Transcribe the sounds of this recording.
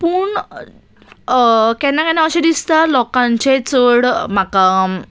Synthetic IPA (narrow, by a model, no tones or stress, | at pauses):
puɳ | kɛnakanaəɕed̪ist̪alɔkãɲt͡ɕet͡səɽmakam